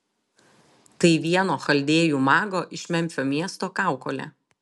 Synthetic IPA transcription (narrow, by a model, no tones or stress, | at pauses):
t̪ɐɪʋʲiɛnoːxɐlʲd̪ʲeːjuːmɑːɡoːʔɪʃʲmʲɛmʲfʲoːmʲiɛst̪oːkɑˑʊkoːlʲɛ̰ː